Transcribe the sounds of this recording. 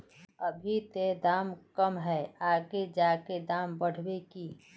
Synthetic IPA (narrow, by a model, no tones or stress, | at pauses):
əbʱit̪ed̪aːmkəmɦɛaːɡed͡ʒaːked̪aːmbəɽ̤wekiː